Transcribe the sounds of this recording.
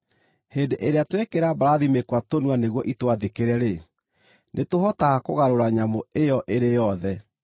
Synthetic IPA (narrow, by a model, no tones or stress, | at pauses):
hendeʔeɾeatwekeɾabaɾaðimekwatonwaneɣwɔʔitwaðekeɾɛɾe | nʔetoɦɔtaɣakoɣaɾoɾaɲamoejɔʔeɾejɔðɛ